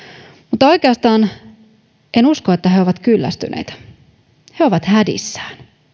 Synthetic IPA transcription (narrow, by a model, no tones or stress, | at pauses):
mut̪ːɑo̞ikeɑst̪ɑːn | ʔenuskoet̪ːæɦeoʋɑt̪kylːæ̰st̪ynʔḛit̪æ̥ | he̞oʋɑt̪hædḭsːæ̥ːn